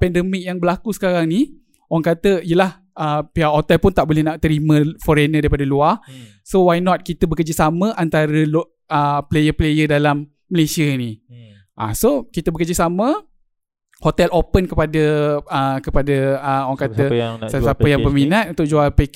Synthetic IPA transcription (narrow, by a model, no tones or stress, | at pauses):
pɛndəmɪk̚jaŋbəlakusə̥kaɾaŋni | owaŋkat̪əijəlah | əpiaʔhot̪ɛlpʊnt̪aʔbolɛhnaʔt̪əɾimə̃fɔɾenadaɾipadəluar | sowajnɔt̪̚kit̪əbəkərd͡ʒəsamə̃ʔant̪aɾəl | əplejəplejədalamː | əlesiəni | ʔa̰sokit̪əbəkərd͡ʒəsamə̃ | hot̪ɛlopənkəpadəəkəpadəəoãkat̪əsasapəjaŋpəminãt̪ʔunt̪ʊk̚d͡ʒualpek